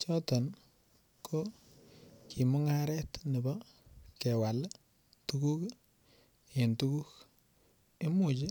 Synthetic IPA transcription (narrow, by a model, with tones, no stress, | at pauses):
t͡ʃɔ˦tɔ˨n | kʰo˦ | kʰi˨mʊ˦ŋa˦ɾɛ˦tnɪ˨bɔ˦ | kɛ˨wa˨l | tu˦ku˦k | e˨ntu˦ku˦k | ɪ˦mu˨t͡ʃe˦